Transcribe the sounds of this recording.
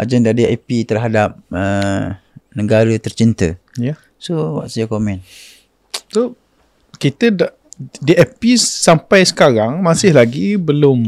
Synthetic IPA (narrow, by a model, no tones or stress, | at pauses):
ʔa̰d͡ʒɛndadia̰pit̪ərɦadap̚ə | nə̃ɡaɾət̪ərt͡ʃint̪əja | sowa̰ʔsad͡ʒakomɛ̃n | so | kit̪ədaʔ | diʔapisampajsə̥kaɾaŋmãsɪhlaɡibəlʊm